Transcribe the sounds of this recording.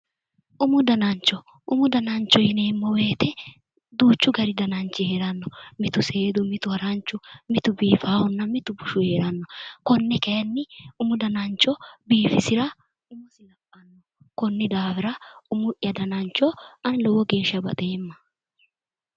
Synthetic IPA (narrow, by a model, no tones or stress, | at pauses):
ʔʊmʊd̪ɐnɐnt͡ʃːɔ | ʔʊmʊd̪ɐnɐnt͡ʃːɔjɪneːmːɔwe̞ːt̪ɛ | d̪uːt͡ʃːʊɡɐɾɪd̪ɐnɐnt͡ʃːɪheːɾɐnːɔmɪt̪ʊse̞ːd̪ʊmɪt̪ʊhɐɾant͡ʃːʊmɪt̪ʊbiːfaːhɔnːɐmɪt̪ʊbʊʃʊhe̞ːɾɐnːɔkɔnːɛkɐjnːɪʊmʊd̪ɐnɐnt͡ʃːɔbiːfɪsɪɾɐ | ʊmʊsɪlɐpʼːɐnːɔ | kɔnːɪd̪aːfɪɾɐʊmʊʔjɐd̪ɐnɐnt͡ʃːɔɐnlɔwɔɡe̞ːʃːɐbɐ̰t̪ʼe̞ːmːɐ̥